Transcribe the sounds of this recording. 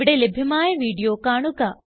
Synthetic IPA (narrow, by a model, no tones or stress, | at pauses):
ɪɽeːlɪbʱjʊmãːẽʋiːɖijokaːɳ̃ukaː